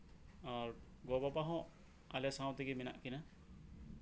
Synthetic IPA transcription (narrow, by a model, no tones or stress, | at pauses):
aɾ | ɡɔbapaɦɔ̃ʔ | alɛsaw̃t̪ɛɡimina̰ʔkina